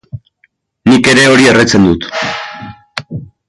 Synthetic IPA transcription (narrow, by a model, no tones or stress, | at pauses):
nike̞ɾe̞o̞ɾieret͡se̞nd̪ut̪